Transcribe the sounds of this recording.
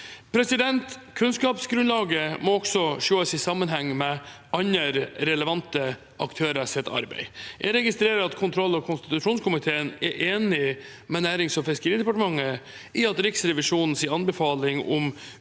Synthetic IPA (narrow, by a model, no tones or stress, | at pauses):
pʰɾɛsɪd̪ɛnt̪kʰʉnskɑːpsɡɾʉnlɑːɡəmɔɔksɔʂoːəsɪsɑmːənɦɛŋːmɛ | ɑɲəɾɾɛləʋɑnt̪ə | ʔɑkt̪ʰøːɾəsɛt̪ːʰɑ̰ɾbæ̰ɪjæ̰ɪɾɛɡɪst̪ɾeːɾəɾɑt̪kʰʊnt̪ʰɾɔlːɑkʰʊnst̪ɪ̥t̪ʉʂuːnskʰʊmɪt̪ʰeːənɛʔeːnɪ | mɛnæːɾɪŋsɔmfɪskəɾiːd̪ɛpɑʈəmɑŋːə | ʔɪɑt̪ɾɪksɾɛʋɪʂuːnn̩siːɑnbəfɑːlɪŋɔm